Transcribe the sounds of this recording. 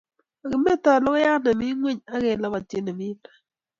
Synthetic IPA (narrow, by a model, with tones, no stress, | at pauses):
a˨ɡɪ˨me˦ta˨lɔ˦kja˦kna˨mɪ˦ŋwe˦ɲa˦ke˨la˦ba˨te˦na˨mɪ˦tḁ˦˨